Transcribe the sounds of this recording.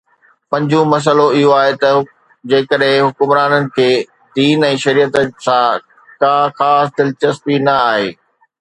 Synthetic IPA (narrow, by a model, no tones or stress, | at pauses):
pɐ̃ɲd͡ʑũmɐs̬əloɪɦoaːɦet̪ɐ | d͡ʑeːkəɗɦɪ̃ɦʊkʊmɾaːnənɪ̆kʰeː | d̪iːnɛ̃ːʃɐɾiːət̪sãː | kãːxaːsd̪ɪlt͡ɕɐst̪inɐaːɦeː